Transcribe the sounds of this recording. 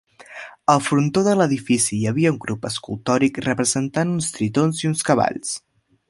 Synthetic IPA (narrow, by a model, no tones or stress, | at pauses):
əlˠfɾunt̪oðələðifisijəβ̞iəuŋɡɾʔupəskulˠt̪ɔɾikrəpɾəzənt̪anunst̪ɾit̪onziunskəβa̰ʎs